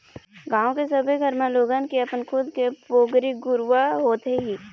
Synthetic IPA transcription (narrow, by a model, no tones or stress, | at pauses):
ɡãːõkesəbʱeɡʱəɾmẽloːɡaːnkiɐpənkʰʊd̪kepoːɡɾiɡʊɾʋaɦoːt̪eɦiː